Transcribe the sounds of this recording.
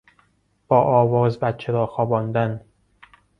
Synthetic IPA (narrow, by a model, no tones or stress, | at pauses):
b̥ɒːʔɒːvɒːzbæt̪t͡ʃʰeɾɒːxɒːbɒːnd̪æn